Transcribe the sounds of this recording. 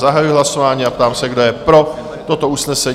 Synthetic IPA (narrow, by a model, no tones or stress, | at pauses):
zaɦajujɪɦlaso̞vaːɲiːap̚t̪aːmsɛɡdo̞jɛpɾo̞ | t̪o̞t̪o̞usnɛsɛ